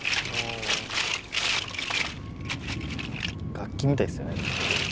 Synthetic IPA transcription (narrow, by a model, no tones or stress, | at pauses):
mo | ɡ̥akʲːimʲit̪aisɨjo̞ne̞